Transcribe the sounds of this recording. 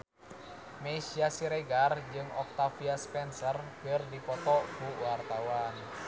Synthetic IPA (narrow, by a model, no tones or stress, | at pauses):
mesiasiɾeɡard͡ʒɨŋɔk̚t̪afiaspɛnsərkərdipɔt̪ɔkuwart̪awan